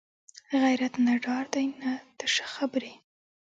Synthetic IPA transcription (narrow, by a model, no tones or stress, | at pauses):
ɣajɾat̪naɖɑɾd̪ajnad̪̥əʂə̥xabɾi